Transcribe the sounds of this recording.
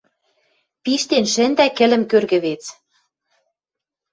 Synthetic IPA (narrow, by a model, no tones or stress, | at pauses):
piʃt̪enʃɘ̆nd̪ækɘ̆lɘ̆mkørɣɘ̆βet͡s